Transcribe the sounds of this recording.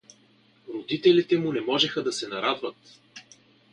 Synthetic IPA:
ɾod̪it̪ɛlit̪ɛmʊnɛmɔʒɛxəd̪ɐsɛnɐɾad̪vɐt̪

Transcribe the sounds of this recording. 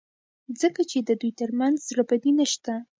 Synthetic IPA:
zəkat͡ʃed̪əd̪ujt̪əɾmanzzɾabad̪inaʃt̪a

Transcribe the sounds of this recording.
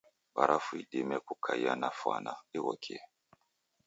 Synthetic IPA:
baɾʔafuidemɛkukʰajanafa̰naiwɔkʰiɛ

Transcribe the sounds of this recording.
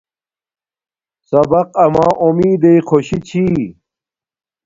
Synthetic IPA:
sɐbɐqɐmãːʔumiːd̪eikʰoɕit͡ɕʰi

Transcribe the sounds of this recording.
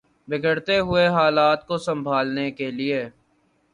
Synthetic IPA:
bɪɡʱəɽt̪eɦʊeɦaːlaːt̪̚kosɐ̃mbʱaːlnekelieː

